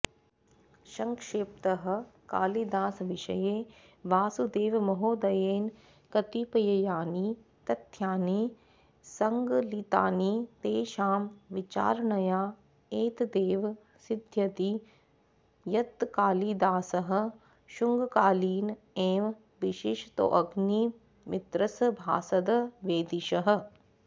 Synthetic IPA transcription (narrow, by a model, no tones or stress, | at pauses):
ʃɐŋkʃeːpt̪ɐɦɐ̆ka̰ːlid̪aːsʋɪʃɐ̰je | ʋaːsud̪eːʋmɐɦoːd̪ɐjeːn | kɐt̪ipɐjɐjaːni | t̪ɐt̪ʰjaːni | sɐŋɡlit̪a̰ːnit̪eːʃaːmʋɪt͡ʃa̰ːɾnɐjaː | eːt̪d̪eːʋ | sɪd̪ʱjɐt̪i | jɐt̪kaːlid̪aːsɐɦɐ̆ | ʃuŋɡkaːliːn | eːʋ | ʋɪʃiʃt̪o̰ʔɐɡni | mɪt̪ɾɐsbʱa̰ːsɐd̪ɐʋeːd̪iʃɐɦə̆